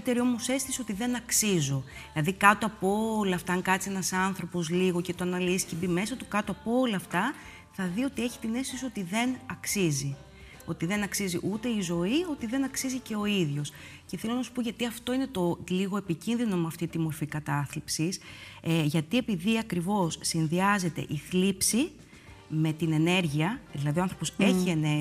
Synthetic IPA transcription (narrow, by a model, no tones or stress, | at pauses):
t̪e̞ɾio̞mo̞se̞st̪iso̞t̪iðe̞nɐksizo̞ | lɐðikɐt̪oɐpoolɐːft̪ɐŋkɐt͡sie̞nɐsɐnθɾo̞po̞zliɣo̞ce̞t̪oɐnɐlisi̥cebime̞sɐt̪ukɐt̪oɐpoolɐːft̪ɐ | θɐðio̞t̪ie̞çi̥t̪ine̞st̪osio̞t̪iðe̞nɐksizi | o̞t̪iðe̞nɐksiziʔut̪e̞izo̞io̞t̪iðe̞nɐksizice̞o̞iðʝo̞s | ce̞θelo̞nɐsu̥po̞ʝɐt̪iɐft̪o̞ine̞t̪o̞liɣo̞e̞picinðino̞mɐft̪it̪imo̞ɾfikɐt̪ɐθlipsiseʝɐt̪ie̞piðiɐkɾivo̞sːinðiɐze̞t̪e̞̰ʔiθlipsi | me̞t̪ine̞ne̞ɾʝiɐðilɐðiɐnθɾo̞poseçie̞ne